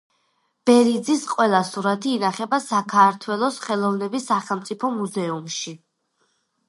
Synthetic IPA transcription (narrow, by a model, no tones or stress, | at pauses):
b̥ɛɾid̪zisqʼwɛlˠasuɾat̪ʰiːnaχɛbasakʰaɾt̪ʰwɛlˠɔsχɛlˠɔvnɛbisːaχɛlˠmt̪sʼipʰɔmuzɛumʃi